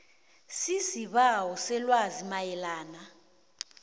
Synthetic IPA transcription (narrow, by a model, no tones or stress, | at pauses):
sisiɓawɔsɛlwazimajɛlaːna